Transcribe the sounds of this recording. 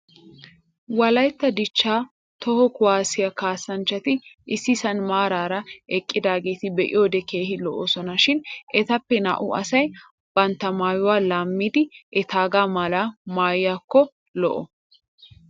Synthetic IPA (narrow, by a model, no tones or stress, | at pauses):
wɐlɐjt̪ːɐd̪ɪt͡ʃːaː | t̪ɔhɔkʊwaːsɪjɐkaːsːɐnt͡ʃːɐt̪ɪʔɪsːɪsɐnmaːɾaːɾɐɛkʼːɪd̪aːɡe̞ːt̪ɪbɛʔɪ̰joːd̪ɛkeːhɪlɔʔoːsɔnɐʃɪnʔɛt̪ɐpːɛna̰ʔʊʔɐsɐj | b̥ɐnt̪ːɐmaːjʊwaːlaːmːiːd̪ɪʔɛt̪aːɡaːmaːlaːmaːjːaːkːɔ | lɔʔɔ̰